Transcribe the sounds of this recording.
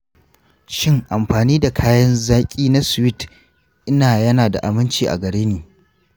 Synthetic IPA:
ʃɪ˦ŋʔa˨mɸaː˨niː˦da˨kʰaː˦jɐ˦nzaː˦kʲʼiː˦na˦sʊ˨wɪ˦t | ʔɪ˦naː˨jɐ˦naː˨da̰˨ʔa̰˨mɪ˦nt͡ʃiː˨ʔa̰˨ɡɐ˨ɽeː˦neː˨

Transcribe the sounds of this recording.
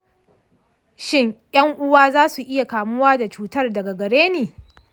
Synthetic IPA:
ʃɪ˦ŋjɐ˦ŋʔʊ˦waː˦zaː˦su˨ʔɪ˦ja˨kaː˨mʊ˦waː˦da˨t͡ʃuː˦tɐ˦rdɐ˨ɡa˨ɡɐ˨ɽeː˦neː˨

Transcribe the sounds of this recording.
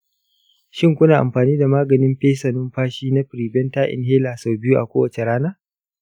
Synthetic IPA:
ʃɪ˦ŋkʷʊ˦naː˨ʔa̰˨mɸaː˨niː˦da˨maː˦ɡɐ˨nɪ˦mɸeː˦sɐ˨nʊ˦mɸaː˦ʃiː˦na˦ɸɾiː˨bɛ˦ntaː˦ʔɪ̰˨nɦeː˦laː˨sa˨wbɪ˦ju˦ʔa̰˨kʷoː˦wɐ˨t͡ʃe˨ɾaː˦naː˦

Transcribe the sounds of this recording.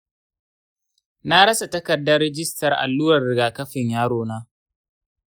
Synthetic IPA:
na˦ɽɐ˦sa˨tɐ˦kɐ˨dːɐ˦rːɛ˦d͡ʒɪ˦stɐ˨rʔa̰˨lːuː˦ɾɐ˨rɪ˨ɡaː˨kɐ˦ɸɪ˨ɲjaː˦ɽoː˦naː˦

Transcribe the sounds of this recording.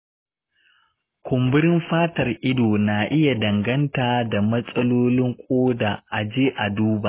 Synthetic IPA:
kʷʊ˨mbɪ˦ɾɪ˦mɸaː˦tɐ˨rʔɪ˦doː˨na˨ʔɪ˦ja˨dɐ˨ŋɡɐ˦ntaː˨da˨mɐ˦sʼɐ˦loː˦lɪ˦ŋkʷʼoː˦daː˨ʔa˨d͡ʒeː˦ʔa˨duː˦ba˨ʔ

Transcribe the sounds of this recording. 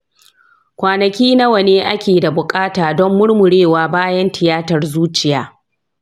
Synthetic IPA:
kʷaː˨nɐ˨kʲiː˦na˦wɐ˨neː˦ʔa˦kʲeː˨da˨bʊ˨kʼaː˦taː˨dɔ˦mːʊ˦ɽmʊ˨ɽeː˦˨waː˦baː˦jɐ˦ntʰɪ˨jaː˦tɐ˨rzuː˦t͡ʃɪ˨jaː˨

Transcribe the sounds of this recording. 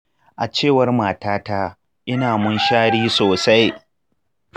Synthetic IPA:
ʔa˨t͡ʃeː˦˨wɐ˦rmaː˨taː˦taː˦ | ʔɪ˦naː˨mʊ˦nʃaː˦ɽiː˦soː˨sa˦j

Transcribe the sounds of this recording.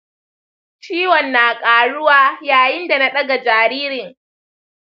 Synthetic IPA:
t͡ʃiː˦wɔ˨nːaː˨kʼaː˨ɽʊ˦waː˦jaː˨jɪ˦nda˨na˦ɗɐ˦ɡa˨d͡ʒaː˨ɾiː˦ɾɪ˨ŋ

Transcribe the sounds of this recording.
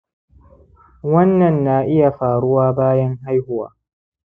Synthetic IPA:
wɐ˦nːa˨nːaː˨ʔɪ˦ja˨faː˨ɾʊ˦waː˦baː˦jɐ˦nɦa˦jhʊ˦wa̰ː˨

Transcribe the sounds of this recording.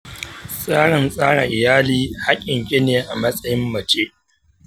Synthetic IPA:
sʼaː˦ɽɪ˨nsʼaː˦ɽa̰˨ʔɪ˨jaː˦liː˦ha˦kʲʼɪ˨ŋkʲe˦neː˨ʔa˨mɐ˦sʼɐ˦jɪ˦mːɐ˨t͡ʃeː˦ʔ

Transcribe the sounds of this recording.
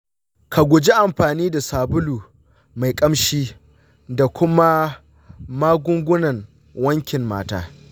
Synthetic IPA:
kʰa˨ɡʷʊ˨d͡ʒi˦ʔa˨mɸaː˨niː˦da˨saː˨bʊ˦luː˨ | ma˨jkʼɐ˦mʃiː˦ | da˨kʷʊ˦ma˦ | maː˦ɡʷʊ˦ŋɡʷʊ˦nɐ˨ŋ | wɐ˦ŋkʲɪ˨mma̰ː˦ta̰ː˦

